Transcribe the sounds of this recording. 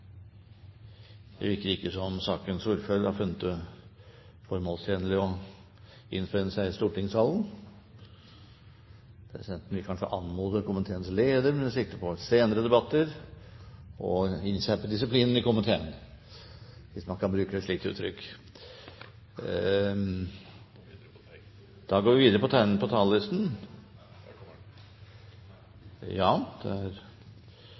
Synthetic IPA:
ɛ̰ʋɪɾkəɾɪkːəsɔmsɑːkənsuɾfœlhɑɾfʉnːət̪ə | fɔɾmoːlst̪ʰjeːnəlɪɔ | ɪ̰nfœnəsæɪst̪uːʈɪŋsɑːln̩ | pʰɾɛsɪd̪ɛnt̪n̩ʋɪlkʰɑnʂə̰ʔɑnmuːd̪əɾkʊmənt̪ʰeːnsleːd̪əɾmɛnsɪkt̪əpʰɔseːnəɾəd̪ɛbɑt̪ːəɾ | ɔɪnsæpʰɔd̪ɪsɪpʰliːnn̩ɪkʊmənt̪ʰḛːn | ʋɪsmɑnkʰɑnbɾʉːkəɛʂɭik̚t̪əʉ̰ːt̪ʰːɾʏkː | d̪̥ɑɡoːɾʋɪʋiːd̪əɾəpɔt̪ʰnpʰɔt̪ʰɑːləlɪst̪n̩ | jɑːd̪̥ɛ̰æɾ

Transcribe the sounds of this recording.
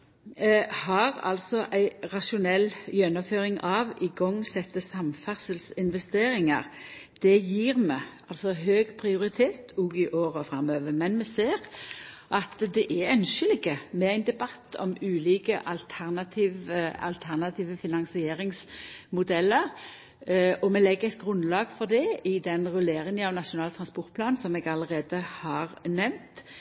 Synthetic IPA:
hɑʁɑ̰lsɔʔæɪʁɑʃʊnɛljɛnːɔmføːʁɪŋʔɑʋɪɡɔŋːsɛt̪ːəsɑmfæʁsəlsɪnʋɛst̪eːɾɪŋɑ̰ʁd̪̥ɛjiːʁmɛ | ɑlsɔɦøːɡpʰʁɪʊɾɪt̪ʰeːt̪ʰʊɡɪʔoːɾɔfɾɑmøːʋəmɛnmɛseːʁ | ʔɑt̪d̪ɛʔæɛnʃəlɪɡəmɛæɪnd̪ɛbɑt̪ʰːɔ̰mʉːliːkəʔɑlt̪ʰæʁnɑt̪ʰiːʋəɑ̰lt̪ʰæʁnɑt̪ʰiːʋəfɪnɑŋsɪeːɾɪŋsmʊd̪ɛlːəʁ | ɔmɛlɛɡːəʁɛɪt̪̚ɡɾʉnlɑːɡfɔɾd̪ɛɪd̪ɛnʁʉleːɾɪŋənɑʋnɑʃʊnɑːlt̪ʰɾɑnspɔɾt̪̚pʰlɑːnsɔmɛɡɑləʁeːd̪əhɑʁnɛʋnt̪

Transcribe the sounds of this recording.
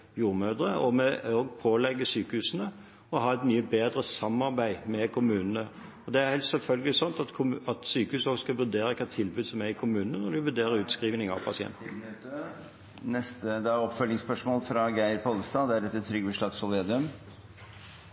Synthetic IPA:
juːɾmøːd̪ɾəʔɔmɛoːɡpʰoːlɛɡːəsyːkəhʉːsənə | ɔɦɑːɛt̪myːəbeːd̪ɾəsɑmːɑʁbæɪmɛkʰʊmʉːnənə | ɔd̪ɛæɾhɛɪlst̪sɛlfœlɡəlɪsɔnt̪ɑt̪kʰʊɑt̪syːkəhʉːsɔɡskɑʋʉd̪eːɾəkʰɑt̪ʰɪlbʉːd̪sɔmæɾɪkʰʊmʉːnənənɔd̪ɪʋʉd̪eːɾəɾʉːt̪skɾiːʋnɪŋɑ̰ʋpʰɑ̰sɪɛ̰nt̪n̩ | nɛst̪əd̪ɛæɔpfœlɪŋspœʂmoːlfɾɑɡæɪɾpʰɔlst̪ɑd̪ɛæɾɛt̪t̪ʰːɾʏɡbəʂlɑt̪sɔleːd̪ʉm

